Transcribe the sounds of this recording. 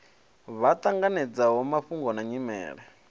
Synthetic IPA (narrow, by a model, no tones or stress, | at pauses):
βat̪ʼaŋɡanɛd͡zaɦɔmaɸuŋɡɔnaɲimɛ̰ːɺɛ